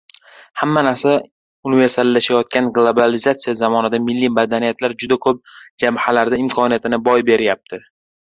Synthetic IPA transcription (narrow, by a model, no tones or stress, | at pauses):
hamːanaɾsa | ʊnɪve̞ɾsalːaʃajɒt̪̚kʲanɡlˠobalɪzat̪sijazamɒnad̪amɪlːimad̪anijat̪laɾd͡ʒʊd̪akʰɵp̚d͡ʒamhalaɾd̪aɪmkʰɒnijat̪ʰɪnɪbɒjbe̞ɾjap̚t̪ʰɪ